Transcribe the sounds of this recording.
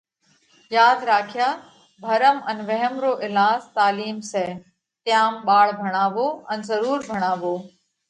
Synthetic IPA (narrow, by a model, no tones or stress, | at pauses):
jaːd̪ɾaːkʰɪjaː | bʱɐɾəmənʋɛɦəmɾoːʔɪlaːzt̪aːliːmseː | t̪jaːmɓaːɭbʱɐɽ̃aːʋoːɐnzəɾuːɾbʱɐɽ̃aːʋoː